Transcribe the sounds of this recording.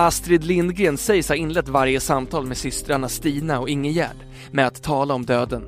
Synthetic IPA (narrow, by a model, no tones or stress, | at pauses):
ast̪ɾɪd̪lɪnɡɾeːnsɛjshaɾɪnlɛt̪ːvaɾjəsamt̪ʰɑːlmɛsʏst̪ɾaɳast̪iːnaɔɪŋːəjæ̰ːɖ | mɛat̪ʰːɑːlaɔmd̪øːd̪ən